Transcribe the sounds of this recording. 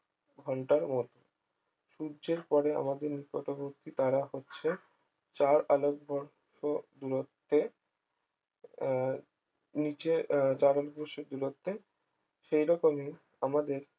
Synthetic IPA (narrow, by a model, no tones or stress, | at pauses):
ɡʱɔɳʈaɾmɔt̪o | ʃuɾd͡ʑeɾpɔɾea̰mad̪eɾnikoʈoboɾt̪ʰit̪aɾaɦotːɕʰe | t͡ɕaɾalok̚bʱɔɾ | ʃod̪uɾot̪ːe | nit͡ɕet͡ɕaɾaloɡ̚bʱɔɾʃod̪uɾot̪ːe | ʃejɾɔkome | amad̪eɾ